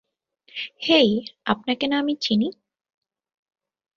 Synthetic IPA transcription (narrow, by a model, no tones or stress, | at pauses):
hejapnakenaamit͡ɕʰini